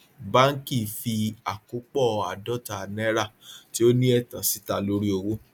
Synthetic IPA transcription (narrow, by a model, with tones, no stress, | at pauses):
ba˦ŋ̩˦ki˦˨fi˧a˨ko˨˦k͡pɔ˦˨a˨dɔ˦˨ta˨nɛ̃˦ɾa˦˨ti˦o˦nĩ˦ɛ˦˨tã˨si˦ta˨lo˨˦ɾi˦o˧wo˦